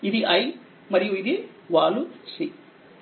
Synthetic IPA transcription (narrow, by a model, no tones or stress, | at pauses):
id̪iʔɐj | mɐɾijuid̪i | ʋaːlusi